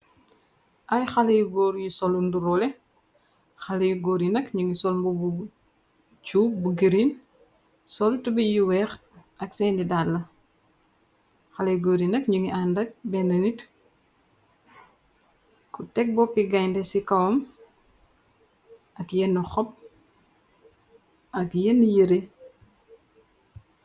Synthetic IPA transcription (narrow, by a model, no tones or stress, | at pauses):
ʔɐjxɐlɐjuɡɔːɾjusɔlunduɾɔlɛ | xɐlɐjuɡɔːɾjinɐkɲuŋisɔlmbubu | t͡ʃubuɡəɾin | sɔltubijuwɛːxɐksɛːndidalɐ | xɐleɡoɾinɐkɲuŋiʔandɐk̚bɛnɐnit | kutɛk̚bɔpiɡaɲndesikɐwɔm | ɐkjenːuxɔp̚ | ɐkjenːijəɾe